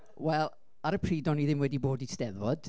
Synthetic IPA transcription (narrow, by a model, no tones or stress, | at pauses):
wɛlˠ | aɾəpʰr̥iːdɔniðɪmwɛdiboːdisʰd̥ɛðwɔd̥